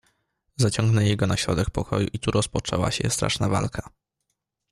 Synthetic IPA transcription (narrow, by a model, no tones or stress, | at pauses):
zat͡ɕɔŋɡnɛjɛɡɔnaɕɾɔd̪ɛk̚pɔkɔjṵʔit̪uɾɔspɔt͡ʂɛwa̰ɕɛ̰st̪ɾa̰ʂnava̰lkʰḁ